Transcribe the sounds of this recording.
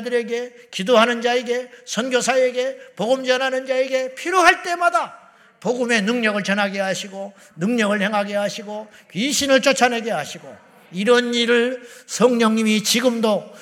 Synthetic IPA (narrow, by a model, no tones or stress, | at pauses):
dɯɾe̞ɡe̞ | kidoɦanɯnd͡ʑaeɡe̞sʰʌnɡjosʰae̞ɡe̞poɡɯmd͡ʑʌnɦanɯnd͡ʑaeɡe̞pʰiɾjoɦaɭt͈e̞mada | poɡɯme̞nɯŋɲʌɡɯɭt͡ɕʌnɦaɡeɦaɕʰiɡo | nɯŋɲʌɡɯɭhe̞ŋɦaɡe̞ɦaɕʰiɡo | pɥiɕʰinɯɭt͡ɕ͈ot͡ɕʰaneɡeɦaɕʰiɡo̰ | iɾʌniɾɯɭsʰʌŋɲʌŋɲimit͡ɕiɡɯmdo